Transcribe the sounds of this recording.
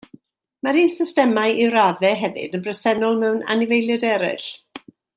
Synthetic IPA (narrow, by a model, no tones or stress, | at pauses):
maɾisɪstɛmajʔɪwɾaðɛɦɛvɨ̰dənbrɛsɛnɔlˠmɛwna̰nɪvejlˠjɛdɛɾɪ̰ɬ